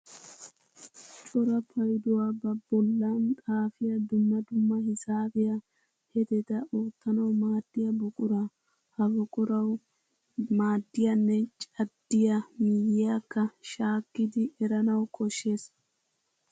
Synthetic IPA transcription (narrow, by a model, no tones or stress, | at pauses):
t͡ʃʼɔɾɐpʰɐjd̪ʊwaːbɐbɔlːaːnt̪ʼaːfɪjɐd̪ʊmːɐd̪ʊmːɐhɪsaːfɪjɐ | hɛt̪ɛt̪ɐʔoːt̪ːɐnɐwmaːd̪̥ːɪjɐbɔkʼʊɾa | hɐbɔkʼʊɾɐw | maːd̪ːɪjɐnːɛt͡ʃʼɐd̪ːɪjɐmijɪjakːɐʃaːkːɪd̪ɪʔɛɾɐnɐwkʰʼɔʃːe̞ːs